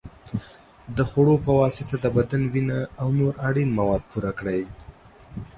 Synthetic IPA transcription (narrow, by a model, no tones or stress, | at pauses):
d̪əxoɽopəwɑsɪt̪ad̪əbad̪anwinaːwnoɾaɽinmawɑd̪̚puɾakɽaj